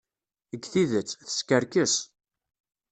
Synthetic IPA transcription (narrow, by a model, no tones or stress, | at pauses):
əɡːθiðət͡sːθə̥skəɾkəs